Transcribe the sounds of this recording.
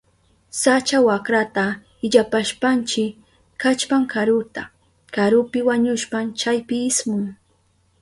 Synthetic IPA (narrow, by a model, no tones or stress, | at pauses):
sat͡ʃawakɾat̪a | ɪʎapaʃpant͡ʃɪ | kat͡ʃpaŋkaɾʊt̪a | kaɾʊpɪwaɲʊʃpamt͡ʃajpɪːsmʊŋ